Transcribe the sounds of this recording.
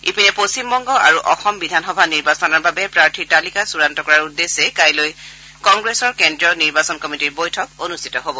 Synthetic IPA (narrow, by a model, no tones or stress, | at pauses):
ipinɛposimbɔŋɡɔʔaɹuʔɔxɔmbidʱanxɔbʱaniɹbasɔnɔɹbabɛpɹaɹtʰitalikasuɹantɔkɔɹaɹudːesɛkajloj | kɔŋɡɹesɔɹkɛndɹɔniɹbasɔnkɔmitiɹbojtʰɔk̚onustʰi̥tɔɦobɔ